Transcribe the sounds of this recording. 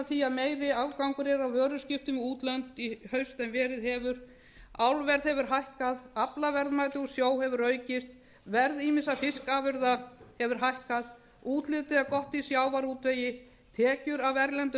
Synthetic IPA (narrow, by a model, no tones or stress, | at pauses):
θiaðmeːjɾɪawkawŋkʏɾɛɾawvœːɾʏscɪft̪ʏmɪuːt̪lœnt̪ihœɥst̪ɛnvɛːɾɪðhɛvʏɾ̥ | awlvɛɾð̥hɛvʏɾ̥ɦajhkaðaplavɛɾðmajt̪ʏɣɔsjoːwhɛvʏɾœːɥcɪst̪ | vɛɾðiːmɪnsafɪskaːvɪɾðahɛvʏɾ̥ɦajhkað | uːt̪lɪːt̪ɪðakɔht̪isjaːwvaɾuːt̪veːjɪ | t̪ʰɛːcʏɾavɛɾlɛnt̪